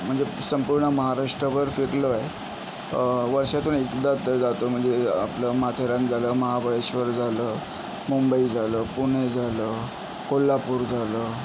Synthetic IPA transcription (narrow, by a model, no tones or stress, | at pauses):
m̤əɳd͡zesəmpuɾɳəməɦaɾaʂʈɾəʋəɾfeɾləe | ʋəɾʂat̪uːɳekd̪at̪əd͡zat̪om̤əɳd͡zea̰pləmat̪ʰeɾãnd͡zʱaləːməɦabəɭeɕʋəɾd͡zaləː | mumbəid͡zaləːpuɽ̃ed͡zʱaləː | kolːapuɾd͡zʱalə